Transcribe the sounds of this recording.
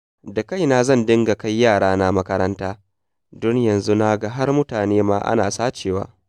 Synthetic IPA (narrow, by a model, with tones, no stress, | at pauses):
da˨ka˦˨jna˨zɐ˦˨ndɪ˦ŋɡa˨ka˦jjːaː˦˨ɽaː˦na˦mɐ˦kɐ˦ɾɐ˦ntaː˦ | dɔ˦ɲjɐ˨nzu˦na˦ɡa˦ɦa˦rmʊ˦taː˨neː˦maː˦ʔa̰˦naː˨saː˦t͡ʃeː˨wa̰ː˦